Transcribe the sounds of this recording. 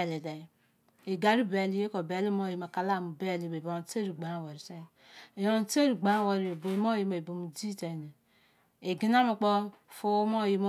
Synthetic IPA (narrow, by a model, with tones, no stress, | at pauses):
le˨de˨ | e˨ɡa˨ɾi˦be˨li˦je˦ko˨be˨li˦mo˦ji˨ma˨ka˨la˦˨mu˨be˦˨li˨be˨bo˨˦te˦ɾi˨ɡ͡ba˨ɾwa˨ɾi˨se˦˨ | jo˨o˨˦te˦ɾi˨ɡ͡ba˦˨wa˨ɾi˨bo˨i˨mo˦ji˦ma˨i˨bo˨mu˨di˦te˨ne˨ | e˨ɡi˦na˦mu˨k͡po˦˨fo˦mo˦˨ji˦m˦